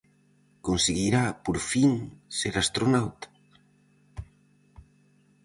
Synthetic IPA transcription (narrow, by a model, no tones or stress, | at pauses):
konseɣiɾapoɾfiŋseɾast̪ɾonawt̪ḁ